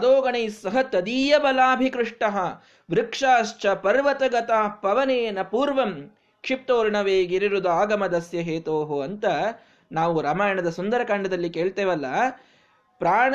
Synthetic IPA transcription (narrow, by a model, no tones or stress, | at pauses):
ɐd̪oːɡɐɳɐjsɐɦɐt̪ɐd̪iːjɐbɐlaːbʱikɾɪʂʈɐɦɐ | ʋɾɪkʂaːʃt͡ʃɐpɐɾʋɐt̪ɐɡɐt̪aːpɐʋɐneːnɐpuːɾʋɐm | kʂip̚t̪oːɾɳɐʋeːɡiɾiɾud̪aːɡɐmɐd̪ɐsjɐɦeːt̪oːɦoɐnt̪ɐ | naːʋuɾɐːmaːjɐɳɐd̪ɐsund̪ɐɾɐkaːɳɖɐd̪ɐlːikeːɭt̪eːʋɐlːɐ | pɾaːɳ